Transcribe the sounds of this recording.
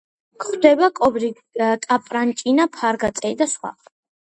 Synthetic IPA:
kχd̪ɛbakʼɔbɾi | kʼapʼɾant͡ʃʼinapʰaɾɡat̪sʼɛid̪asχwa̰

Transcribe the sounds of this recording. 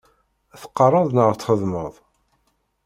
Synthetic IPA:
θə̥qːɑrˤəðˤnəʁɾt̪χəðməðˤ

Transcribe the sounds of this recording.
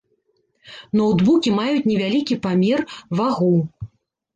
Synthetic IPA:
nɔwd̪bukʲimajut͡sʲnʲɛvʲalʲikʲipamʲɛrvaɣuw

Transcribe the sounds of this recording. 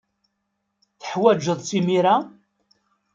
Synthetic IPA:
θə̥ħwæd͡ʒəðˤsimiɾa

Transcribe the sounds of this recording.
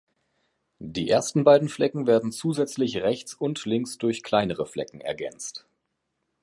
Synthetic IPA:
d̥iːʔeːɐstn̩baɪdn̩flɛkŋ̩veːɐdn̩t͡suːzɛt͡slɪçʁɛçt͡sʊntlɪŋsd̥ʊɐçkʰl̥aɪnəʁəflɛkŋ̩ɛ̰ɐɡɛ̰nt͡st

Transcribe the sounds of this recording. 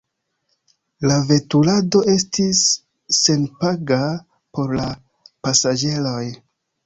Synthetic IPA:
lave̞tulado̞e̞stisː | e̞npaɡa | po̞ɾla | pasad͡ʒe̞lo̞j

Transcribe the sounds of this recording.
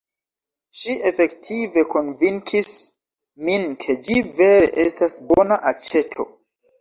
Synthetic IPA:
ʃie̞fe̞ktʰive̞ko̞nviŋkʰis | minkʰe̞d͡ʒive̞ɾe̞̰ʔe̞stasbonaʔat͡ʃe̞tʰo̞̰

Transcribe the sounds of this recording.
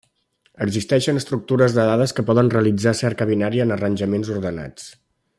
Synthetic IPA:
əɡzist̪ɛʃənəst̪ɾuk̚t̪uɾəzðəðaðəskəpɔðənreəlid͡zasɛɾkəβinaɾiənərənʲʒəmenzuɾðəna̰t͡s

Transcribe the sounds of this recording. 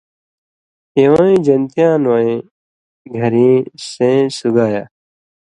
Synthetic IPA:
ẽːʋãːĩːd͡ʒənt̪ijãːnʋaːĩː | ɡʱəɾĩːsẽːsʊɡaːjaː

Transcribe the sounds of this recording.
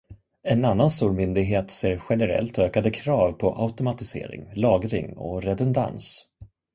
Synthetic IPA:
ɛnanːanst̪uːɾmʏnd̪ɪɡɦeːt̪seːɾɧɛnəɾɛ̰lt̪øːkad̪əkʰɾɑːvpʰɔʔa̰ʊt̪ʊmat̪ɪsḛːɾɪ̰ŋlɑːɡɾɪ̰ŋɔ̰ɾɛd̪ʊnd̪a̰ns

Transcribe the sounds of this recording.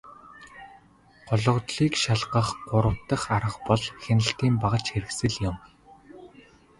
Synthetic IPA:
ɢ̥ɔɮɞ̆ʁt̪ɮiːkʃaɮɢə̆χɢʊɾə̆w̥t̪ə̆χaɾə̆qpɔɮxenɘ̆ɬt̪iːmpaʁə̆t͡ɕxeɾɘ̆ksɘ̆ɮjʊ̆m

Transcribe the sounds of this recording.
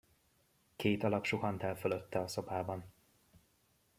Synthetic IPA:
keːt̪ɒlɒpʃuɦɒnt̪ɛlføløt̪ːɛɒso̞paːbɒn

